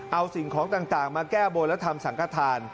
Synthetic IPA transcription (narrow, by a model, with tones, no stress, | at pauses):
ʔa˧wsi˨˩ŋkʰɔː˩˦ŋt̪aː˨˩ŋt̪aː˨˩ŋmaː˧kɛː˥˩bo˧lɛ˦˥t̪ʰa˧msa˩˦ŋkʰa˧˥˩t̪ʰaː˧n